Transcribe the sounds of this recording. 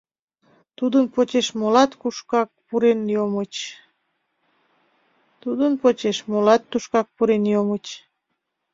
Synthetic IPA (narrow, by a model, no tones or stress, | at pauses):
t̪ud̪ənpot͡ɕeʃmolɑt̪kuʃkɑk̚puɾenjomət͡ɕ | t̪ud̪ənpot͡ɕeʃmolɑt̪ːuʃkɑk̚puɾenjomət͡ɕ